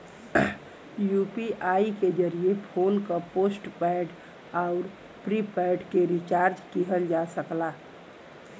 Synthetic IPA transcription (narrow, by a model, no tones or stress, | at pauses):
jupiʔaːiked͡ʒəɾiepʰoːnkapoːsʈpɛːɖ | aʊɾ | pɾipɛɖkeɾit͡ʃaːɾd͡ʒkiɦəld͡ʒasəkla